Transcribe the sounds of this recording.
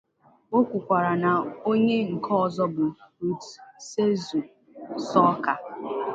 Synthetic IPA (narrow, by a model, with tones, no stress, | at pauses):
o˦kʷu˨kʷa˨ɾa˨na˨o˦ɲe˦ŋ̩˨kʰɔ˦ɔ˨zɔ˦bʊ˨ɾu˨tse˦zu˨ | sɔ˦ka˨